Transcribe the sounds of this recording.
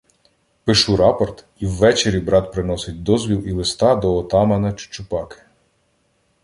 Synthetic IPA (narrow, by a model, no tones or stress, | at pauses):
pɪʃuɾɑpɔrt̪ | iwːɛt͡ʃeɾʲibɾɑt̪̚pɾɪnɔsɪt̚ʲd̪ɔzʋʲilˠilˠɪst̪ɑd̪ɔːt̪ɑmɐnɐt͡ʃʊ̥t͡ʃʊpɑkɪ̥